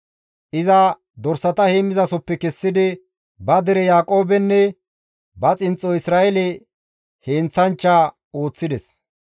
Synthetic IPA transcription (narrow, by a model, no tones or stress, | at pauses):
ʔɪzɐ | d̪ɔɾsːɐt̪ɐheːmːɪzɐsɔpːɛkɛsːɪd̪ɪ | bɐd̪ɛɾɛjaːkʼo̞ːbɛnːɛ | bɐt͡sʼɪnt͡sʼːɔɪsɾaːʔɛlɛ | heːnt͡sːɐnt͡ʃːa | o̞ːt͡sːɪd̪ɛs